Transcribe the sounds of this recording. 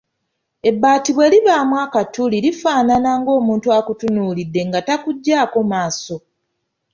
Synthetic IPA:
e̞bːaːtiβwe̞ːliβaːmwaːkatulilifaːnanaŋɡo̞ːmuːntuakutunuːlidːe̞ŋɡatakuɟːaːko̞maːso̞

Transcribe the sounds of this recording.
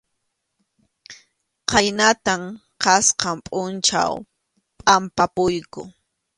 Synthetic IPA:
qajnat̪am | qɑsqɑmpʼʊnt͡ʃa̰w | pʼampapʊjkʊ̰

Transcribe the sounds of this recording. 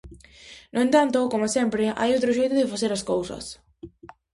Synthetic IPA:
nʔoẽnt̪ant̪okomasempɾea̰jowt̪ɾoʒejt̪ʊðɪfaθeɾaskowsɐ̰s

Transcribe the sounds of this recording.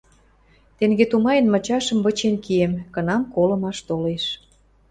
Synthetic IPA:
t̪eŋɡet̪umɑjə̆nmə̆t͡ɕɑʃə̆mβə̆t͡ɕenkiemkə̆nɑmkolə̆mɑʃt̪oleʃ

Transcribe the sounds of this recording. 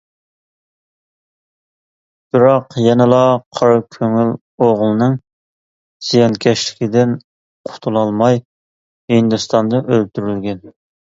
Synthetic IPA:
b̥ɪɾɑqjɛnɪlˠɑqʰɑɾkʲʰøŋyl | oʁlˠɨnɨŋ | z̥ijɑnkʲʰɛʃlɪ̥kʲʰid̪ɪn | qʰʊ̥t̪ʰulˠɑlˠmɑj | hind̪ust̪ɑnd̪ɑʔølt̪ʰyɾylɡʲɛn

